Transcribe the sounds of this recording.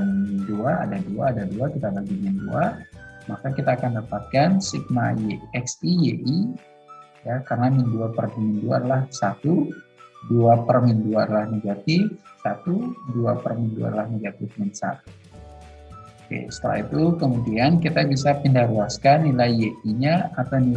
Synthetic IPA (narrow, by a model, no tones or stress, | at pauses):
mduaa̰daduaːdaduakit̪abaɡimɛndṵamakakit̪aːkandapat̪̚kansik̚ma̰jeɛksijeʔi | jakarənaminduapərmminduadlahsat̪u | duapərmɪnduarlahneɡat̪ifsat̪uduapərmindua̰lahneɡat̪ɪfmənsa̰t̪u̥ | kḛsə̥t̪əla̰hit̪ukəmunt̪iankit̪abisapindahɾuaskanːilajeiɲaat̪ani